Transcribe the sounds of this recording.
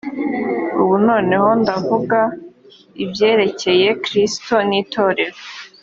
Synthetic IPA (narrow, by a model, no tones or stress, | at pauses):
uβuno̞ːne̞ho̞ndavuɡa | ibje̞ːɾe̞ce̞je̞kɾisto̞niːtʰo̞ːɾe̞ɾo